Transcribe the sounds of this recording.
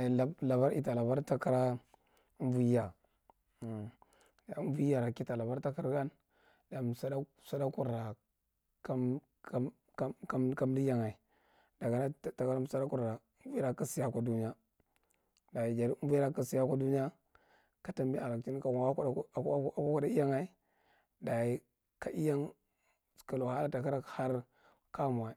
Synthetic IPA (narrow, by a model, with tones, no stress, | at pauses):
la˨ba˦ɾḭ˨ta˨la˨ba˦ɾta˦ka˦ɾa˦ | m˦vu˦ja˨ | da˨u˦m˦vu˦ja˨ɾa˨ki˦ta˨la˨ba˦ɾta˦ka˦ɾɡa˦n | da˨m˨sa˦da˦ | sa˦da˦ku˨ɾa˨ | ka˦ | a˦ | ka˦ka˦m˦di˦ja˦ŋa˨i˨ | d̥a˨ɡa˨na˦˨ta˨ka˦la˦m˦sa˦da˦ku˦˨ɾa˨˦vi˦ɾa˨ka˨si˨ja˦kʷa˨du˦n˦a˦ | da˨i˨d͡ʒa˨ɾvi˦ɾa˦ka˨si˨ja˦ka˦du˦ni˦a˦ | ka˨ta˦mbi˦a˨la˨kt͡ʃi˦n˦ka˨wa˦˨˦a˦ka˦ka˦˨da˦i˦ja˦ŋa˨i˦ | da˨i˨ | ka˨ʔi˦ja˦ŋ˨ | ka˨lo˨ha˦ɾa˦ta˨ka˦ɾa˦kha˦ɾ | ka˦˨m˨a˨˦˨